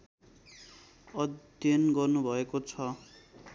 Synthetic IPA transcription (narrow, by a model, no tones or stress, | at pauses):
ʌd̪ | jʌnɡʌrnubʱʌekot͡sʰʌ